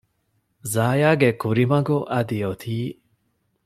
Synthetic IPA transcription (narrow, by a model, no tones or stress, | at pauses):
zaːjaːɡekuɾimɐɡuʔɐd̪ijot̪ʰiː